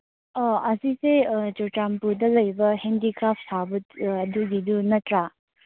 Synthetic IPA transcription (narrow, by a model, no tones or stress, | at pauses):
aɐsised͡ʒoʈampudɐlɐjbɐhendikɾapʰsʰabutɐduɡid̪unɐtɾa